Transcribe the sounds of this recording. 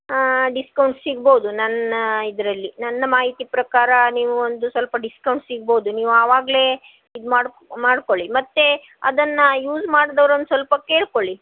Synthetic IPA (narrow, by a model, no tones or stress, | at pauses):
ɖiskɐwɳʈssiɡboːd̪unɐnid̪ɾɐlːinɐnːɐmaːɦit̪iːpɾɐkaːɾɐniːʋuond̪usʋɐlpɐɖiskɐwɳʈsiɡ̚boːd̪uniːʋuaːʋaːɡle̞ː | id̪maːɖ | maːɽko̞ɭimɐt̪ːe̞ | ɐ̰d̪ɐnːɐjuːd͡ʒmaːɽd̪ɐʋɐɾɐnːsʋɐlpɐke̞ːɭkoɭi